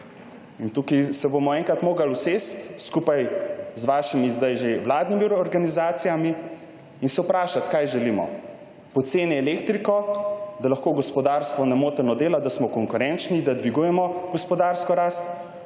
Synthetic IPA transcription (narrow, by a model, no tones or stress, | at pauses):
int̪ukisɛbomɔɛŋkɾat̪moːɡaluseːst̪skuːpajzʋaːʃimizd̪ajʒewlaːd̪nimiɔɾɡanizaːt̪sijami | insɛwpɾaːʃat̪kajʒɛlimɔ̰ | pɔt̪seːnɛɛleːkt̪ɾikɔd̪alaɐxkoːɡɔspɔd̪aːɾst̪ʋɔnɛmoːt̪ɛnɔd̪eːlad̪asmɔkɔŋkuɾɛnt͡ʃnid̪ad̪ʋiɡujɛmɔɡɔspɔd̪aːɾskɔɾaːst̪